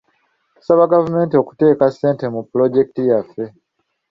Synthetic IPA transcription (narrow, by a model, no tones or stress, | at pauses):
ku̥saβaɡavume̞ːntio̞ku̥te̞ːkasːe̞ːnte̞mupːulo̞ɟe̞ki̥tijafːe̞